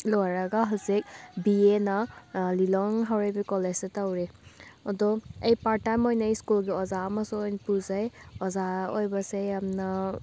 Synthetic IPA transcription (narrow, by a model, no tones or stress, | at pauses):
lɔaɾaɡaɦalsek̚bienalilɔŋɦawɾejbikɔled͡ʒsetawɾeɔdɔejpaɾtamɔjnejskulɡiɔzamasɔɔjnpuzajɔzaɔjbasejamna